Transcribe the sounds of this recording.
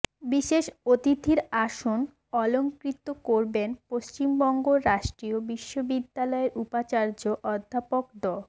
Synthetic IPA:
biʃeʃot̪it̪ʰiɾaʃon | ɔloŋkɾit̪ːokoɾbenpost͡ɕimbɔŋɡoɾaʃʈɾiobiʃːobid̪ːalɔeɾʔupat͡ɕaɾd͡ʑoʔɔd̪ʱːapok̚d̪ɔl

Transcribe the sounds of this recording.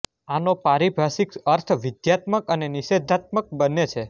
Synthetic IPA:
anopaɾibʱasikəɾt̪ʰʋɪd̪jat̪məkəneniʃed̪ʱat̪̚mək̚bənet͡ʃʰe

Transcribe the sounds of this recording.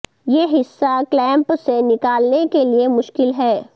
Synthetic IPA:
jeːɦɪsːaklɛ̃ːmpsenɪkaːlnekeliemʊʃkɪlɦɛː

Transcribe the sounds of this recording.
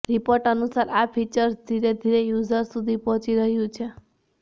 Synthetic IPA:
ɾipɔɾʈʌnusaɾapʰit͡ʃʌɾsd̪ʱiɾed̪ʱiɾejud͡zʌɾsud̪ʱipɔt͡ʃiɾʌɦjũt͡ʃʰʌ

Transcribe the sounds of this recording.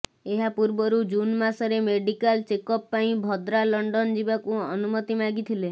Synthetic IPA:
eɦapuɾbɔɾud͡ʒunmasɔɾemeɖikalt͡ʃekɔpːaĩbʱɔd̪ɾalɔɳɖɔnd͡ʒibakuɔnumɔt̪imaɡit̪ʰile

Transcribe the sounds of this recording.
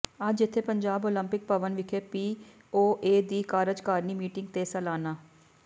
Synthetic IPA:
ɐd͡ʒɪt̪ʰːepəɲd͡ʒaːboːlə̃mpɪk̚pəʋənʋɪkʰepiː | oːʔeːd̪iːkaːɾəd͡ʒkaːɾniːmiːʈɪ̃ŋɡ̚t̪esəlaːnaː

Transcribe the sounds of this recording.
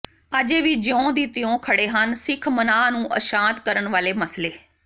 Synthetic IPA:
əd͡ʒeːʋiːd͡ʒəõːd̪iːt̪ɪjõːkʰəɽeːɦənsɪkʰmənaːnũːʔə̰ʃãːt̪kəɾənʋaːleːməsleː

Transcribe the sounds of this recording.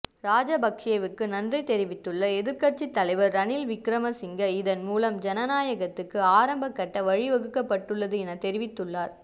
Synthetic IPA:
ɾaːd͡ʒɐbɐkʂɪjɐʋɯkːɯnɐndrɐɪt̪ɛɾɪʋɪt̪ːɯɭːɐɛðɪɾkɐʈt͡ʃit̪ːɐlɐɪʋɐɾːɐnɪlʋɪkɾɐmɐsɪŋɡɐɪðɐnmuːlɐmd͡ʒɛnɐnaːjɐɣɐt̪ːɯkːɯaːɾɐmbɐkːɐʈːɐʋɐɻɪʋɐɣɯkːɐpːɐʈːɯɭːɐðɯɛnɐt̪ɛɾɪʋɪt̪ːɯɭːaːɾ

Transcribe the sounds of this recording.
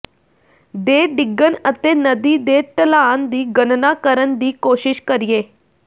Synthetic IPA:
d̪eːɖɪɡːənət̪eːnəd̪iːd̪eːʈ̪əlaːnd̪iːɡənnaːkəɾənd̪iːkoːʃɪʃkəɾɪjeː

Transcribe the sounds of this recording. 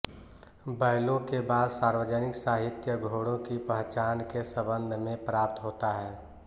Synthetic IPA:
bəɪlõkebaːd̪saːɾwəd͡ʒənɪksaːɦɪt̪jəɡʱoːɽõkipəɦt͡ʃaːnkesəbə̃nd̪ʱmẽpɾaːp̚t̪ɦoːt̪aɦɛː

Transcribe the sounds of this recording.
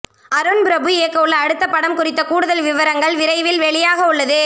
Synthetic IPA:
ɐɾɯnbɾɐbɯeːkːɐʊɭːɐːɽɯt̪ːɐpːɐɽɐmkʊrɪt̪ːɐkuːɽɯðɐlʋɪʋɐɾɐŋɡɐɭʋɪɾɐɪʋɪlʋɛɭɪjaːɣɐʊɭːɐðɯ

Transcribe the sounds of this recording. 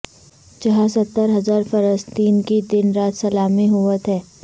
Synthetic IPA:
t͡ʃɐɦãsɐt̪ːəɾɦɐzaːɾfɐɾəst̪iːnkid̪ɪnɾaːt̪sɐlaːmiɦʊʋət̪ɦɛː

